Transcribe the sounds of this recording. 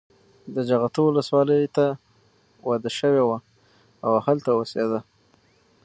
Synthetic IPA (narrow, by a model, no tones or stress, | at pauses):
d̪əd͡ʒaɣat̪owləswɑləjt̪a | wad̪aʃəwewa | awahalt̪awosed̪a